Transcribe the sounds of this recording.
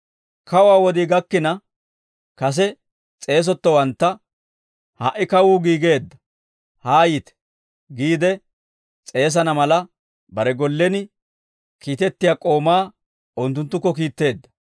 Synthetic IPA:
kɐwaːwɔd̪iːɡɐkːɪnɐ | kɐs̬ɛ | t͡sʼe̞ːs̬ɔt̪ːɔwɐnt̪ːɐ | haʔɪkɐwuːɡiːɡe̞ːd̪ːɐ̥ | haːjiːt̪ɛ̥ | ɡiːd̪ɛ | t͡sʼe̞ːs̬ɐnɐmɐlɐ | bɐɾɛɡɔlːɛnɪ | kiːt̪ɛt̪ːɪjaːkʼo̞ːmaː | ʊnt̪ːʊnt̪ːʊkːɔkiːt̪ːe̞ːd̪ːɐ

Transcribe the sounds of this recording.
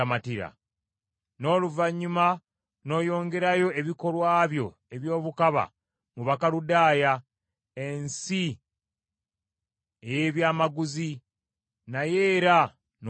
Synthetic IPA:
amatiɾa̰ | no̞ːluvaɲːuma | no̞ːjo̞ːŋɡe̞ɾajo̞ʔe̞βiko̞lwaːβjo̞ | e̞βjo̞ːβukaβa̰ | muβakaludaːja | e̞nsi | eje̞ːβjaːmaɡuzi | naje̞ːɾa | n

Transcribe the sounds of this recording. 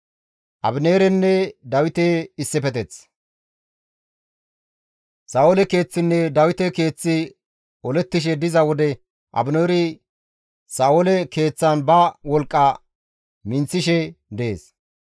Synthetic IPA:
ʔɐ̰bɪneːɾɛnːɛd̪ɐwɪt̪eɪsːɛpɛt̪ɛt͡s | saːwolɛke̞ːt͡sːɪnːɛd̪ɐwɪt̪ɛke̞ːt͡sːɪ | ɔlɛt̪ːɪʃ̬ɛd̪ɪzɐwɔd̪ɛ | ʔɐ̰bɪneːɾɪ | saːolɛke̞ːt͡sːɐnbɐwɔlkʼːɐ | mɪnt͡sːɪʃɛd̪ɛḛːs

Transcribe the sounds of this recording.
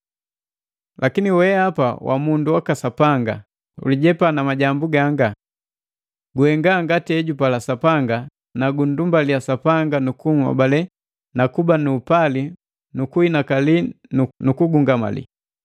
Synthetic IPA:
lʔakiniwɛapa̰wʔa̰munduwakasapaŋɡa̰ | ṵliɟɛpanamaɟambuɡaŋɡa | ɡuhɛŋɡaŋɡatiɛɟupalasapaŋɡa | naɡun̩dumbaliasapaŋɡanukuŋwa̰balɛ | nakubanuːpali | nukuinakalinukuɡuŋɡama̰lḭ

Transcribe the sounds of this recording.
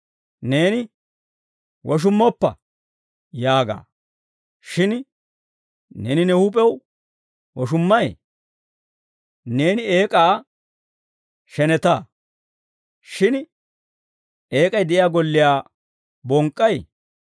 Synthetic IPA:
ne̞ːnɪ | wʔɔʃ̬ʊmːɔpːɐ̰ | jaːɡa̰ː | ʃɪn | nḛːnɪnɛhʊpʼɛw | wɔʃʊmːɐjḛ | ne̞ːnɪeːkʼaː | ʃɛnɛt̪aː | ʃɪn | e̞ːkʼɐjd̪ɛʔɪjaːɡɔlːɪjaː | bɔŋkʼːɐj

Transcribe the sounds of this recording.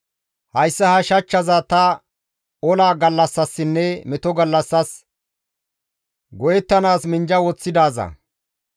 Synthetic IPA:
hɐjsːɐhɐʃɐt͡ʃːɐzaːt̪ɐ | ɔlaːɡɐlːɐsːɐsːɪnːɛmɛt̪ɔɡɐlːɐsːɐs | ɡɔjɛt̪ːɐnaːsmɪnd͡ʒɐwɔt͡sːɪd̪aːzɐ̰

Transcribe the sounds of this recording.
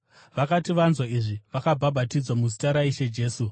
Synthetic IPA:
ʋakatiʋanzwaiʐiʋakabʱabʱatid͡zwamuzitaɾaiʃe̞d͡ʒe̞ːsu

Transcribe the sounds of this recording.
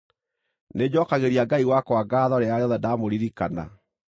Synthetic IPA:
ned͡ʑɔkaɣeɾiaɡaiwakwaɡaːðɔɾeaɾeɔðɛdamoɾiɾikana̰

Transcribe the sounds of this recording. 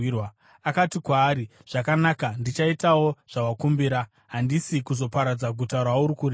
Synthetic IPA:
wa | akatikwaːɾiʐ̥akanakandit͡ʃaitawo̞ʐ̥awakumbiɾa | ɦandisikuzo̞paɾad͡zaɡʱutarwauɾikure

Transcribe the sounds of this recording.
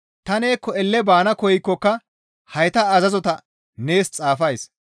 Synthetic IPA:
t̪ɐne̞ːkːɔɛlːɛbaːnɐkɔjɪkːɔkːɐ | hɐjt̪ɐːzɐzɔt̪ɐ | ne̞ːst͡sʼaːfɐjs

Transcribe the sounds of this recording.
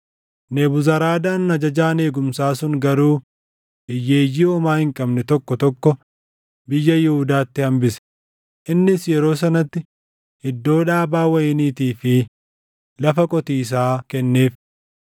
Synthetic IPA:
nebʊzɐɾaːd̪aːnːɐd͡ʒɐd͡ʒaːne̞ːɡʊmsaːsʊŋɡɐɾuː | ʔɪjːe̞ːjːiːɔmaːhɪŋkʼɐbnɛt̪ɔkːɔt̪ɔkːɔ | bɪjːɐjɪhʊd̪aːt̪ːɪhɐmbɪsɛ̥ | ʔɪnːɪsjɛɾo̞ːs̬ɐnɐt̪ːɪ | hɪd̪ːo̞ːᶑaːbaːwɐjɪniːt̪iːfɪ | lɐfɐkʼɔt̪iːs̬aːkɛnːe̞ːf

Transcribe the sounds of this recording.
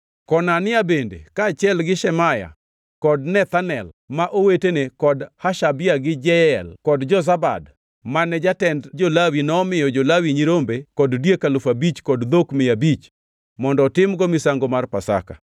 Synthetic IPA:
kɔnanɪabendḛkaːt͡ʃɪɛlɡɪʃɛmaja̰ | kɔdnɛt̪anɛl | maʔowetenekɔdhaʃabɪjaɡɪd͡ʒɛɛlkɔdd͡ʒɔzaba̰d | manɛd͡ʒatɛndd͡ʒolawinɔːmɪjɔd͡ʒolawiɲiɾombekɔddjekalʊfabit͡ʃkɔdd̪okmɪjabit͡ʃ | mɔndɔːtɪmɡɔmɪsaŋɡomarpasa̰ka̰

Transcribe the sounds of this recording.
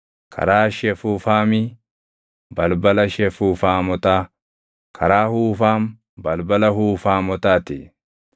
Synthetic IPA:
kʰɐ̰ɾaːʃɛfuːfaːmi | bɐlbɐlɐʃɛfuːfaːmɔt̪aː | kʰɐɾaːhuːfaːm | bɐlbɐlɐɦuːfaːmɔt̪aːt̪ɪ̰

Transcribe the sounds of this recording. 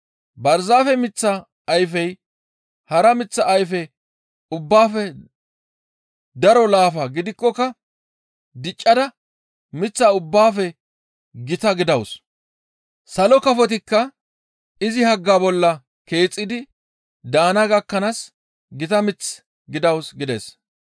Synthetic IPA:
bɐɾzaːfɛmɪt͡sːɐ | ɐjfɛj | hɐɾɐmɪt͡sːɐʔːjfɛ | ʊbːaːfɛ | d̪ɐɾɔlaːfɐɡɪd̪ɪkːɔkɐ | d̪ɪt͡ʃʼːɐd̪ɐ | mɪt͡sːaʊbːaːfɛ | ɡɪt̪ɐɡɪd̪ɐws | sɐlɔkɐfɔt̪̬ɪkːɐ | ɪzɪhɐɡːaːbɔlːɐ | ke̞ːt͡sʼːɪd̪ɪ | d̪aːnɐɡɐkːɐnas | ɡɪt̪ɐmɪt͡s | ɡɪd̪ɐwsɡɪd̪ɛs

